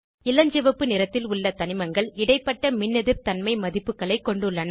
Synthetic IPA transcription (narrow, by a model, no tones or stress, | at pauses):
ɪlɐɲd͡ʒɛʋɐpːɯnɪɾɐt̪ːɪlʊɭːɐt̪ɐnɪmɐŋɡɐɭɪɽɐɪpːɐʈːɐmɪnːɛðɪɾt̪ɐnmɐɪmɐðɪpːɯkːɐɭɐɪkːɔɳɖɯɭːɐnɐ